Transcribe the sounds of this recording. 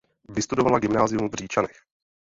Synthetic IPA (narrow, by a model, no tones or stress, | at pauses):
vɪst̪udovalaɡɪmnaːzɪumvr̝iːt͡ʃanɛx